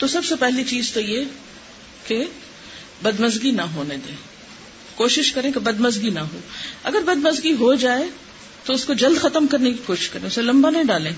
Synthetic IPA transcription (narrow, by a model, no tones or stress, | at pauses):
t̪osɐbsepɛɦlit͡ʃiːzt̪oje | ke | bɐd̪mɐzɡinɐɦoːned̪ḛ̃ː | koːʃɪʃkɐɾẽkebɐd̪mɐzɡinɐɦoːɐɡəɾbɐd̪mɐzɡiɦod͡ʒaːe | t̪oʊskod͡ʒɐld̪xɐt̪əmkɐɾnekikoːʃɪ̥ʃkɐɾẽːʊselɐ̃mbanɐĩɖaːlẽː